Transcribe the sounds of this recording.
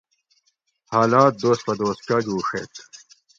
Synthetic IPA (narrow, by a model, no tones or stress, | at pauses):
haːlaːt̪̚d̪oːspɐd̪oːskaɡuːʂḛːt̪